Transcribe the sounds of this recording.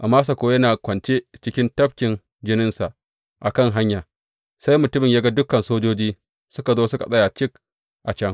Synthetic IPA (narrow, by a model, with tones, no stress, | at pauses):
ʔa˨mːaː˦s̬a˨kʷoː˦jɐ˦naː˨kʷɐ˨nt͡ʃe˦t͡ʃɪ˦kʲɪ˦ntɐ˦bkʲɪ˨n | d͡ʒɪ˦nɪ˦nsa˨ʔ | ʔa˨kɐ˦˨ŋɦa˦ɲjaː˨ | sa˦jmʊ˨tʊ˦mɪ˨jaː˦ɡa˦dʊ˦kɐ˨nsoː˦d͡ʒoː˦d͡ʒiː˦ | sʊ˦ka˨zoː˦sʊ˦ka̰˨sʼɐ˦ja˨t͡ʃɪ˦k̚ | ʔa˨t͡ʃɐ˦ŋ